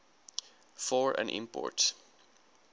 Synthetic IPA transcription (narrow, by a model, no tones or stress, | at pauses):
fɔɹæ̰̃nʔɪ̰̃mpɔ̰ɹt